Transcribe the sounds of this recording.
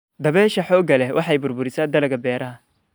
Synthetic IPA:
d̪ɐβɛːʃɐħɔːɡɐlɛwʔɑħɑjbʊrbʊɾɪsaːd̪ɐlɐɣɐbɛːɾɐɦɐ

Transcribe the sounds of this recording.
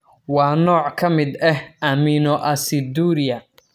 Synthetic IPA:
wɑːnɔːʕkʰɐmɪd̪ɛhʔɐminɔʔɐsɪd̪uːɾɪjɐ

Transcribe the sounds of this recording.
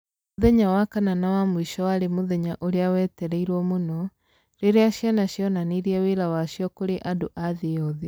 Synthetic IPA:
moðɛɲawakananawamoiʃɔwaɾemoðɛɲaʔoɾeawɛːtɛɾɛiɾwɔmonɔ | ɾeɾeaɕjanaɕjɔnaniɾiɛweɾawaʃjɔkoɾeʔadoʔaðeɔðe

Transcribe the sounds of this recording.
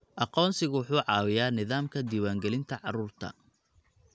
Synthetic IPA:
ʔɑqɔːnsɪɣʊwʊħuːʕɑːwɪjaːnɪðaːmkʰɐd̪iːwaːŋɡɛlɪnt̪ʰɐʕɑruːrt̪ʰɐ̰

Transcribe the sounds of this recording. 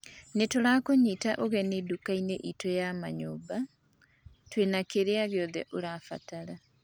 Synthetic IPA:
netoɾakoɲiːtaʔoɣɛnedukaineʔitojama̰ɲoːba | twenakeɾeaɣeɔðɛʔoɾafa̰taɾa

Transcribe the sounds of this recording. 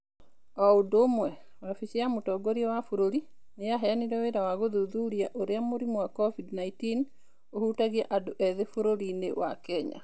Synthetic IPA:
ɔodomwɛ | wafit͡ʃeamotɔɡɔɾiɛwafoɾoɾi | neaɦɛaniɾɛweɾawaɣoðuðuɾiaʔoɾeamoɾimowakɔvidnaitin | ohuːtaɣiɛʔadoʔɛðefoɾoɾinḛwa̰kɛɲa̰

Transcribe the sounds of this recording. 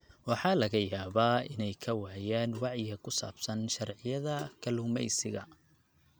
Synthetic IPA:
wɑħɑːlɐɣɐjaːβaːɪnɛjkʰɐwaːjaːnwɑʕjɪɐkʰʊsa̰ːbsɐnʃɐrʕɪjɐðɐkʰɐluːmɛ̰jsɪɣɐ

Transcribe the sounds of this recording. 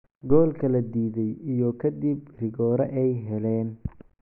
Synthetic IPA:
ɡɔːlkʰɐlɐd̪iːðɛjijɔkʰɐd̪ib̚rɪɣɔːɾɐʔɛjɦɛlɛːn

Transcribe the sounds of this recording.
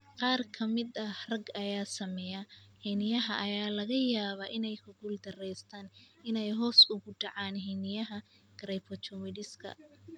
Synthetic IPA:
qɑːrkʰɐmɪd̪ɐhrɐɡɐjaːsɐmɛjɐhɛnɪjɐɦɐʔɐjaːlɐɣɐjaːβɐʔɪnɛjkʰʊɡuld̪ɐrɛjst̪ʰaːnɪnɛjɦɔːsʊɣʊɖɑʕaːnɦɛːnɪjɐɦɐ | ɡ̥ɾɐjpʰɔt͡ʃʰɔmɪɖɪskʰɐ̰

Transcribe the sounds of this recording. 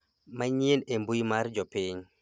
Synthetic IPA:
maɲienembuimaɾd͡ʒɔpɪɲ

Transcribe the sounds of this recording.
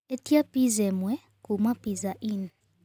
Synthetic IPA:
etjapizɛmwɛ | kumapizaʔin

